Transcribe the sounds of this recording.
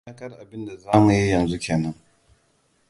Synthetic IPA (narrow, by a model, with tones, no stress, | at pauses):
a˦kɐ˦rʔa˨bɪ˦nda˨zaː˦mu˨ji˦jɐ˨nzu˦kʲeː˨nɐ˦ŋ